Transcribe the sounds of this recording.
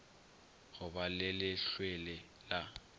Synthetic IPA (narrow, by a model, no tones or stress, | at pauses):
ɣʊbalɪlɪɬwelɪ | la